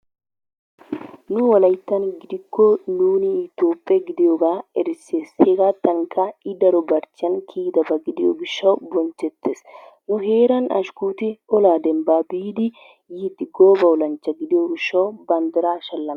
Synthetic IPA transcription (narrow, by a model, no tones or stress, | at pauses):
nʊwɐlɐjt̪ːɐnɡɪd̪ɪkːɔnuːnɪɪt̪oːpʼːɛɡɪd̪ɪjoːɡaːɛɾɪseːsheɡat̪ːɐŋkɐɪd̪ɐɾɔbɐɾt͡ʃːɪɐnkʰiːd̪ɐbɐɡɪd̪ɪjo̰ɡɪʃːɐwbɔnt͡ʃːɛt̪ːeːs | nʊɦeːɾɐnɐ̰ʃkuːt̪ɪɔlaːd̪ɛmbaːbiːd̪ɪ | jit̪ːɪɡoːbɐɔlɐnt͡ʃːɐɡɪd̪ɪjoːɡɪʃːɐwbɐnd̪ɪɾaːʃɐlːɐm